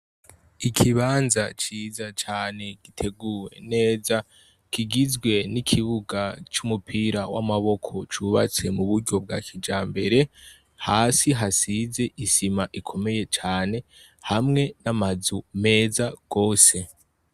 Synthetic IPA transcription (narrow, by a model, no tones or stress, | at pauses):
ikʰiβaːnzat͡ʃiːzat͡ʃaːne̞ɡ̥itʰe̞ɡuːwe̞̰ne̞ːza | kiɡizɡwe̞nikʰiβuɡat͡ʃumupʰiɾawa̰maβo̞kʰo̞t͡ʃuβat͡se̞muβuɾɟo̞b̚ɡakʰid͡ʒaːmbe̞ɾe̞ | haːsiɦasize̞ʔisimaʔikʰo̞me̞je̞t͡ʃaːne̞ | hamŋe̞namazume̞ːzaɡ̥o̞ːse̞